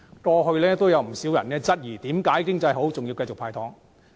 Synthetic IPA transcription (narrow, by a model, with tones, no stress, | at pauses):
kɔː˧ɦɵ˧ɥlɛː˥t̪o˥wjɐ˨˧wm̩˨˩siː˨˥wjɐ˨˩nɛː˥t͡sɐ˥t̚jiː˨˩t̪iː˨˥mkaː˨˥jkɪ˥ŋt͡sɐ˧jɦo˨˥wt͡sʊ˨ŋjiː˧wkɐ˧jt͡sʊ˨k̚pʰaː˧jt̪ʰɔː˨˥ŋ